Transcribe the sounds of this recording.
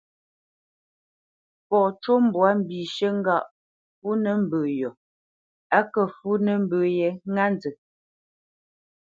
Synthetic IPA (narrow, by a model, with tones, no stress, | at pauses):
pɔ˨t͡ʃo˦m̩˦bwa˨˦m̩˨bi˨ʃə˦ŋ̩˦ɡa˦˨ʔ | fu˦nə˨˦m̩˦bə˨jɔ˨ | a˦kə˨fu˦nə˦m˦bəː˨jɛ˨˦ŋa˦nd͡zə˨